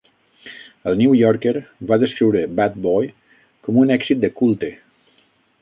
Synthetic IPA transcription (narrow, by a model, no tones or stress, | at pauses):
əlˠniujɔɾkeɾbaðəskɾiwɾəbat̪̚bɔj | kɔmunɛksit̪̚d̪əkulˠt̪e